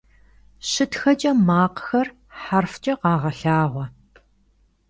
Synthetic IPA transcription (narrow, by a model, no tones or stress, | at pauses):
ɕɨtxɐt͡ʃʼɐmaːqxɐr | ħarft͡ʃʼɐqɑːʁɐɬaːʁʷɔ